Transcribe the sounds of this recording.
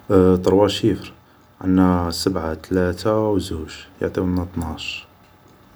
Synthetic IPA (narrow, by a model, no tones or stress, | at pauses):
t̪ˤɑɾˤwɑʃifəɾ | ʕa̰nːæsəbʕat̪læt̪awzuʃjo̰ʕt̪ˤiwnːæt̪ˤnaʃ